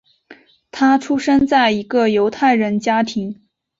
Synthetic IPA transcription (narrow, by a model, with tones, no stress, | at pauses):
t̪ʰa˥ʈ͡ʂʰu˥ʂə˥nt͡sa˥˩ɪi˧˥ɡə˥˧jo˧˥ʊt̪ʰa˥˩ɪɻə˧˥nt͡ɕja˥t̪ʰi˧˥ŋ